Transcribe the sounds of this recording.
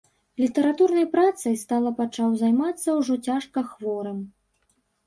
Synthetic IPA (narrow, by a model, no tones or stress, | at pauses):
lʲit̪ɐɾat̪urnɐjpɾat̪sɐjst̪alˠɐpat͡ʂawzajmat̪sːɐwʐɔt͡sʲaʂkɐxvɔɾɐm